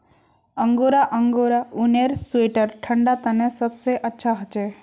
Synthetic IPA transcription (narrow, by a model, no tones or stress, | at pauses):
əŋɡoɾaʔəŋɡoɾauneɾsueʈəɾʈʰəɳɖat̪ənẽsəbseʔətːʃʰaɦət͡ʃe